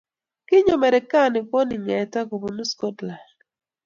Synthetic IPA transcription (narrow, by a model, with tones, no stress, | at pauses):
kɪ˦ɲo˨mɛ˨ɾɛ˨ka˦˨nɪ˨pɔ˦nɪ˨ɲɛ˨ta˦ko˨bo˨nu˦sko˦tla˨